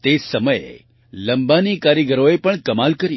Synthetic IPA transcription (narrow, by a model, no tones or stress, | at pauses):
t̪esəməjḛ | lə̃mbanikaɾjəɡəɾoepəɳkəmalkəɾi